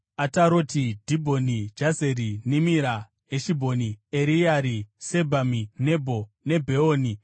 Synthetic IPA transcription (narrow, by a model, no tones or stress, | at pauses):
ataɾo̞tidʱibʱo̞nid͡ʒaze̞ɾinimiɾa | eʃibʱo̞ːnieɾijaɾisebʱamine̞bʱo̞ | ne̞bʱeoːni